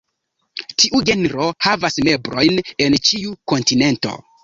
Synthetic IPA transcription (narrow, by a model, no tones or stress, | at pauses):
tiʔuɡe̞nɾo̞havasme̞bɾo̞jne̞nt͡ʃiuko̞ntine̞nto̞̰